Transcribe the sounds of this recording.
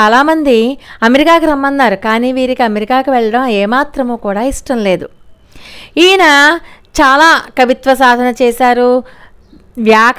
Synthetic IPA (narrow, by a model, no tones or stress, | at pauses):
aːlaːmɐnd̪iɐmeɾikaːkiɾɐmːɐnːaːɾukaːniːʋiːɾikiɐmeɾikaːkiʋɛɭːɐɽɐmɛːmaːt̪ɾɐmoːkuːɽaːiʂʈɐmle̞ːd̪u | iːnɐt͡ʃaːlaːkɐʋit̪ʋɐsaːd̪ʱɐnɐt͡ʃɛːsaːɾu | ʋjaːk